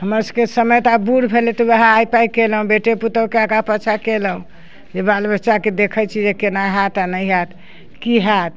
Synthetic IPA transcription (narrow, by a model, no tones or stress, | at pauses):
ɦəməɾsə̥kesəməjt̪abuɾbʱelet̪ɔweɦãːjpaikelũbeʈeput̪əkeaɡapət͡ʃʰakeləɦũ | d͡ʒebalbətːt͡ʃaked̪ekʰət͡ʃʰid͡ʒekenaɦat̪anəjɦat̪ | kiɦat̪̚